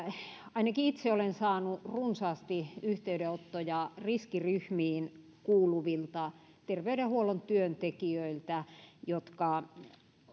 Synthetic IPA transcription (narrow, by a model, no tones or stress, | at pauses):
ɑinɑkiit̪seolensɑːnurunsɑːst̪iyht̪eyɾeot̪ːojɑriskiryhmiːn | kuːluʋilt̪ɑ | t̪erʋeydehuolont̪yønt̪ekiøilt̪æjot̪kɑ